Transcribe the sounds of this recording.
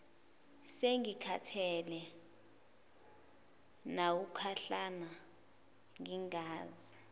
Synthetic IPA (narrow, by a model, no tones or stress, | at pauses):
seŋikʰatʰɛlɛ | nawukʰaɬana | ŋiŋaːzi